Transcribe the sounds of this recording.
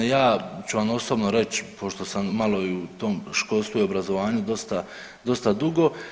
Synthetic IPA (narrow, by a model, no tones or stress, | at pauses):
jaːt͡ɕuʋamo̞sobnoɾe̞t͡ɕpʰo̞ʃt̪o̞samːalˠo̞iut̪o̞ːmʃko̞ːlˠst̪vuio̞bɾazo̞ʋaːɲud̪o̞st̪a | d̪o̞st̪ad̪uɡo̞